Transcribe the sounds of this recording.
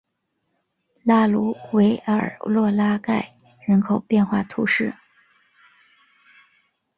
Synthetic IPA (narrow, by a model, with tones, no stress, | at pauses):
la˥˩lu˧˥we˧˥ɪə̰˞˨˩lwɔ˥˧la˥ka˥˩ɪ | ɻə˧˥nkʰo˨˩ʊpjɛ˥˧nxwa˥˩t̪ʰu˧˥ʂɻ̩˥˩